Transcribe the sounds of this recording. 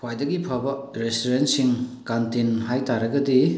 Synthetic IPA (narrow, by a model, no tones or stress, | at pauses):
pʰwajdɐɡipʰabɐɾestoɾentsiŋkantenɦajtaɾɐɡɐdi